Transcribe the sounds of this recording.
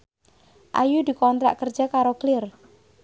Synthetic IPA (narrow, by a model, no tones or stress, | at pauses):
ʔa̰jud̪ikɔnt̪ɾa̰ʔkərd͡ʒakaɾoklɪr